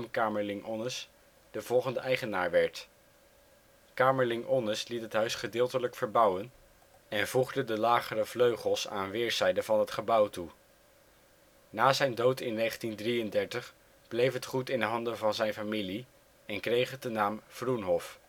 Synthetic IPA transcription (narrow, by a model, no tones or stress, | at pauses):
mkaːməlɪŋʔɔnəs | d̥əvɔlˠχəndəʔɛjχənaːɹʋɛɹt | kaːməɹlɪŋʔɔnəslitɦətɦœɥsχədɪːlˠtələkfəɹbʌwən | ɛnvuχdədəlaːχərəvløɥχəlˠsa̰ːnʋɪːɹz̥ɛjdəvɑnɦətχəbʌwtu | naːzɛjndowtɪnːejχəntindrijəndɛɹtəχ | b̥lejfɦətχutɪndəɦɑndənvɑnzɛjnfamili | ɛnkrejχədənaːmfrunɦɔf